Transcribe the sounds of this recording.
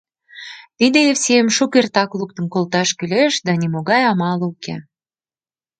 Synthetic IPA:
t̪id̪eefsiemʃukert̪ɑkluk̚t̪ənkolt̪ɑʃkyleʃd̪ɑnimoɣɑjɑmɑlukḛ

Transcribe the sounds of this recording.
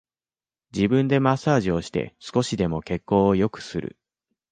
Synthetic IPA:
d͡ʑibɯ̟̃nd̪e̞masaːʑio̞ɕi̥t̪e̞̰sɨ̥ko̞ɕid̪e̞mo̞ke̞kːo̞ːjo̞kɯ̟̥sɨɾɯ̟̰

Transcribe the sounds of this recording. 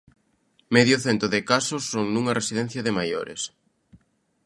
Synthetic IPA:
mɛðjʊθent̪oðɪkasʊsːoŋnuŋɐresiðɛn̟θjɐðɪmajo̰ɾɪ̰s

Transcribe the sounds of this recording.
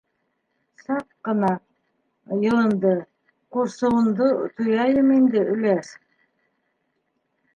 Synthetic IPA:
sɑqːɤ̆nɑ | jɤ̆lˠɤ̆nd̪ɤ | quɾsɤ̆wɤ̆nd̪ɤt̪ʰujɑjɤmind̪ɘʔɵ̆læs

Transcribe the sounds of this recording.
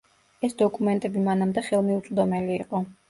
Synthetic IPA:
ɛsd̪ɔkʼumɛnt̪ʼɛbimanamd̪ɛχɛlˠmiut̪sʼd̪ɔmɛliːqʼɔ

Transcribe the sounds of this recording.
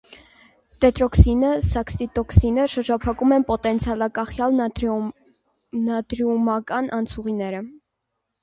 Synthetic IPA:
t̪ɛt̪ɾɔksinəsɑksit̪ɔksinəʃəɾd͡ʒɑpʰɑkumɛnpɔt̪ɛnt͡sʰjɑlɑkɑχjɑl | nɑd̪ɾiumɑkɑnʔɑnt͡sʰuʁinɛɾə

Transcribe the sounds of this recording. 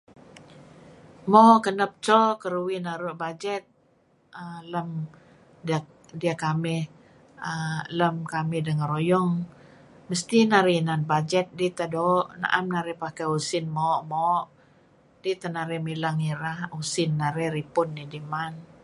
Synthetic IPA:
mɔʔkənəp̚t͡ʃɔkəɾuwinaɾuʔbad͡ʒɛt̪̚ | ələm | da | diakamɪh | ələmkamɪhdəŋəɾojɔŋ | məst̪inaɾinanbad͡ʒɛt̪̚dit̪adoʔna̰ʔamnaɾɛpakausɪnmɔʔmɔʔ | dit̪anaɾɛmilaŋiɾahusɪnːaɾɛɾipʊnːidiman

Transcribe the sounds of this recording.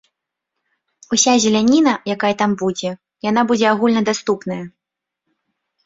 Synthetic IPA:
usʲazʲɛlʲanʲin̪ɐjakajɐt̪ambud͡zʲɛ | janabud͡zʲɛaɣulʲnɐd̪ast̪upnɐjɐ

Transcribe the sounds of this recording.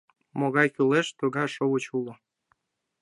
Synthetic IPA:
moɣɑjkyleʃt̪uɣɑʃowət͡ɕulŏ

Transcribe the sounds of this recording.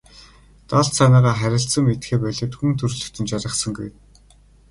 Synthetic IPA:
t̪aɮsanaːʁaːχæɾʲɪ̆ɬsə̆ŋmet̪xeːpæɮĕːt̪xunt̪ʰɵrɮɵ̆kt̪ʰɵ̆nt͡ɕaɾʲɪ̆χsə̆ŋɡuj

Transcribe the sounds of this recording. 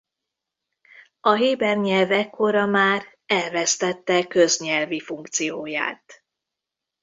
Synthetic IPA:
ɒɦeːbɛrɲɛlvɛkːo̞ɾɒmaːr | ɛlvɛst̪ɛt̪ːɛkøzɲɛlvifuŋkt̪sijoːja̰ːt̪

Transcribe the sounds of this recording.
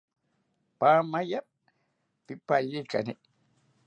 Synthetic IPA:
paːmaja | pipːajika̰ne

